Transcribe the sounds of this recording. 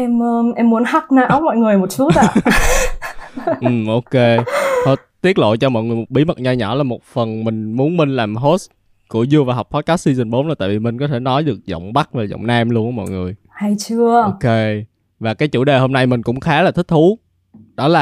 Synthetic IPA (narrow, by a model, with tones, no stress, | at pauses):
ʔɛ˧məː˧ʔɛ˧mːu˨˦ənɦa˦˥t̚naː˧ʔa˨˦mɔ̰˧˨jŋɨ˨˩əjmo˨˩t̚su˨˦a̰˧˨˧ | ʔɨ˨˩mʔo˧ke˧ho˧˦ | t̪i˦˥ət̚lo̰˧˨t͡ɕɔ˧mɔ̰˧˨jŋɨ˨˩əjmo˨˩t̚ɓi˨˦mə˨˩t̚ɲa˧˩ɲɔ̰˧˩laː˨˩mo˨˩t̚fə˨˩nmï˨˩ŋ̟mu˨˦ənmi˧ŋ̟laː˨˩mɦo˦˥t̚s | kṵ˧˩əzɨ˧əvaː˨˩ɦa˨˩k͡p̚t̪ʰɔ˨˦kaː˨˦˥si˧zɨ˨˩nɓo˨˦nlaː˨˩t̪a̰ː˧˨˩vi˨˩mï˨˩ŋ̟kɔ˨˦t̪ʰe˧˩nɔ˨˦jɗɨ˨˩ək̚zɔ̰˧˨wŋ͡mɓa˦˥t̚vaː˨˩zɔ̰˧˨wŋ͡mnaː˧mlu˧ənʔəː˧˦mɔ̰˧˨jŋɨ˨˩əj | ha˧jt͡ɕɨ˧ə˧ke˧ | vaː˨˩kaː˨˦jt͡ɕṵ˧˩ɗe˨˩ho˧mna˧jmï˨˩ŋ̟kʊ̰˧˥ŋ͡mxaː˨˦laː˨˩t̪ʰï˦˥k̚t̪ʰu˨˦ | ɗɔ˨˦laː˨˩